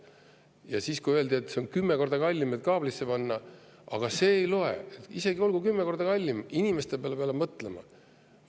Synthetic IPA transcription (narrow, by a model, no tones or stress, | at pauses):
jɑsiːskuiøe̞ld̪iet̪ːˑseonkymːeko̞rd̪ɑkɑlʲːimed̪̥̚kɑːb̥lisːe̞pɑnːɑ | ɑɡ̥ɑse̞ːjlo̞ḛet̪ise̞ɡio̞lɡ̥ukymːeko̞rd̪̥ɑkɑlʲːiminime̞st̪epeɑlepeɑlemɤt̪ˑle̞mɑ̰